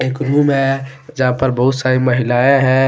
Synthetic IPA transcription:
eːkɾuːmɦɛ̃d͡ʒɐɦãpəɾbɐɦʊt̪saːɾiməɦɪlaːeɦɛ̃

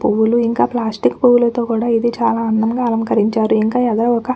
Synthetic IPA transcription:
puʋuluiŋkaːplaːsʈikːpuwulɐt̪o̞ːkuːɽaːid̪it͡ʃaːlaːɐnːɐmɡaːɐlɐmkɐɾiɲt͡ʃaːɾuiŋkaːɛɡɐɾɐɔkɐ

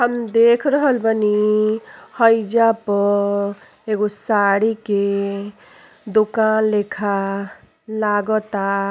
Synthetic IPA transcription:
həmd̪eːkʰɾəɦəlbəni | həid͡ʒapə | eɡosaɽike | d̪okanlekʰa | laɡət̪a

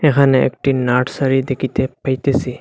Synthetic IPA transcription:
ekʰaneḛk̚ʈinaʈsaɾid̪ekʰit̪epajt̪esi

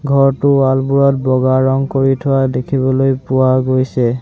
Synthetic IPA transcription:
ɡʱɔɹtʊalbuɹɔt̚bɔɡaɹɔŋkoɹitʰʊwadekʰibɔlojpʊwaɡojsɛ

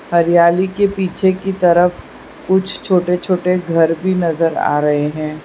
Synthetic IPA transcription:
hɐɾɪjaːlikepiːt͡ʃʰekit̪ɐɾəf | kʊt͡ʃʰt͡ʃʰoːʈet͡ʃʰoːʈeɡʱɐɾbʱinɐzəɾa̰ːɾɐɦeɦɛ̃ː

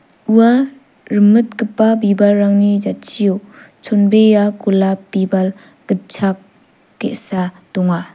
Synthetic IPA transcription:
ua | ɾɯmɯt̚kɯpːabibalːaŋnid͡ʒat̚sʰijo | t͡ʃʰonbejakulapibal | ɡ̥ɯt̚t͡ʃʰakː | eʔsa | tɔŋa

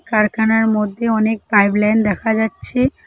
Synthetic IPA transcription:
kaɾkʰanaɾmod̪ʱːjeɔnek̚pajblajnd̪ɛkʰad͡ʒatːɕʰe

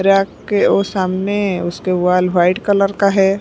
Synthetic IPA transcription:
ɾjaːkeosaːmneʊskewaːlʋaːɪɖkələɾkaɦɛː

